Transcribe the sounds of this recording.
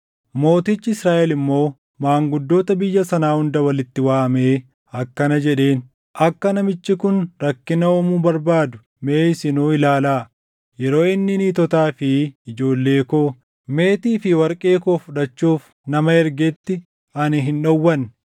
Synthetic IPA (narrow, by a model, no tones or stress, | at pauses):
mo̞ːt̪ɪt͡ʃːɪɪsɾaːʔɛlɪmːo̞ː | maːŋɡʊd̪ːo̞ːt̪ɐbɪjːɐsɐnaːhʊnd̪ɐwɐlɪt̪ːɪwaːme̞ː | ɐkːɐnɐd͡ʒɛᶑe̞ːn | ʔɐkːɐnɐmɪt͡ʃːɪkʊnɾɐkːɪnɐoːmubɐɾbaːd̪ʊ̥ | meːsɪnuːɪlaːlaː | jɛɾo̞ːɪnːɪniːt̪ɔt̪aːfɪɪd͡ʒo̞ːlːe̞ːkoː | me̞ːt̪iːfɪwɐɾkʼeːkoːfʊᶑɐt͡ʃːuːf | nɐmɐɛɾɡɛt̪ːɪ | ɐnɪɦɪnᶑɔwːɐn